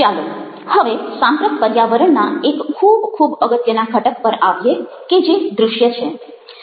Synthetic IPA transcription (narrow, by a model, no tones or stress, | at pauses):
alo | həʋesãmpɾət̪pəɾjaʋəɾəɳnaekʰːubkʰubəɡət̪jənakʰəʈək̚pəɾaʋje | ked͡ʒed̪ɾʊʃjət͡ʃʰe